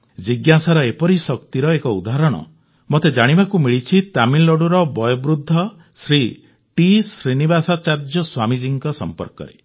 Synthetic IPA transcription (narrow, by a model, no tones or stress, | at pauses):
d͡ʒiɡjasaɾɔepɔɾisɔkt̪iɾɔekɔud̪aɦɾɔɽ̃ɔ̰ | mot̪ed͡ʒaɽ̃ibakumiɭit͡ʃʰit̪amilɔɽuɾɔbɔjɔbɾud̪ʱːɔ | sɾi | ʈisɾinibasat͡ʃaɾd͡ʒɔswamid͡ʒiŋkɔsɔ̰mpɔ̰ɾkɔ̰ɾḛ